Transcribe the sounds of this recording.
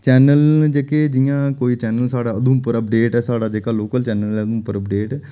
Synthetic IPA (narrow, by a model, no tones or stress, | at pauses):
t͡ʃɛːnəld͡ʒeːkeːd͡ʒɪjãːkoːiːt͡ʃɛːnəlsaːɽaːəd̪ũːpəɾəpɖeːʈɛːsaːɽaːd͡ʒeːkaːloːkəlt͡ʃɛːnəlɛːəd̪ũːpəɾəpɖeːʈː